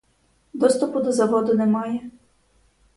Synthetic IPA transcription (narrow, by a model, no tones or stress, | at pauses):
d̪ɔst̪ɔpʊd̪ɔzɐʋɔd̪ʊnɛmɑjɛ